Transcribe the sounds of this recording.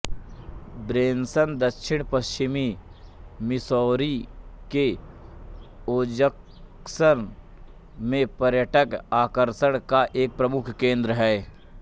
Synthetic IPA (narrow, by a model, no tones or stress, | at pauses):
bɾeːnsənd̪əkʃɪɽ̃pəst͡ʃɪmi | mɪsɔːɾike | oːd͡ʒək | səɾ | mẽpəɾjəʈəkaːkəɾʃəɽ̃kaʔeːk̚pɾɐmʊkʰkẽːnd̪ɾəɦɛː